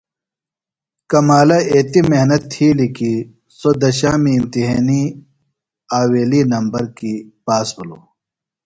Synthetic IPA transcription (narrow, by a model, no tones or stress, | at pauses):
kɐmaːlɐeːt̪imeɦnɐt̪ʰːiːliki | sod̪ɐɕaːmiːmt̪iɦeːni | aːweːlinɐmbɐɾkipaːsbuloː